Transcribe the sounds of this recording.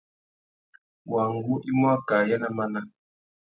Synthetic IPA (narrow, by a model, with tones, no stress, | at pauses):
wa˨ŋ˦ɡu˦ʔi˦mɔ˦ka˨ja˦na˦ma˦na˦